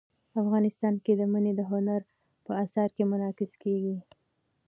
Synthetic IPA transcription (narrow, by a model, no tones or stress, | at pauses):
afɣɑnɪst̪ɑnked̪əməned̪əɦʊnaɾ | pəasɑɾkemʊnɑkɪskeɡi